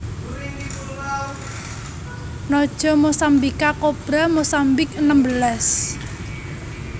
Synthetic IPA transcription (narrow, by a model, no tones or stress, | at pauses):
nɔd̥ʒ̥ɔ̤mosambikakob̥ɾamosambɪkənəmbəlas